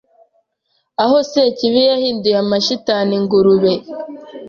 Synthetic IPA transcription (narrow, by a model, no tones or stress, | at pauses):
ahoseciβijahiːndujamaʃitaniŋɡuɾuβe